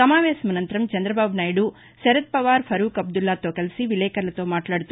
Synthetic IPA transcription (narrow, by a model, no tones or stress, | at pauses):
sɐmaːʋeːsɐmɐnɐnt̪ɐɾɐmt͡ʃɐnd̪ɾɐbaːbnaːjɖu | sɛɾɐt̪̚pɐʋaːɾpʰɐɾuːkɐb̚d̪ulːaːt̪oːkɐlsiʋilɛːkɐɾɐlɐt̪oːmaːʈlaːɽut̪ː